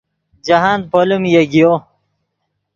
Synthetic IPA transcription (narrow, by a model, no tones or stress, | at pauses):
d͡ʑaɦaːn̚polumjeɡijo